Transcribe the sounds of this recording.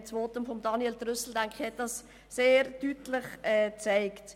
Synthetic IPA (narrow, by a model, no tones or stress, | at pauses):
t͡svoːtəmfɔmd̥ɑnieldɾʏsl̩dæŋkɪ̥çhɛt̚d̥ɑs | seːɾtytlɪχɛːt͡saɪkt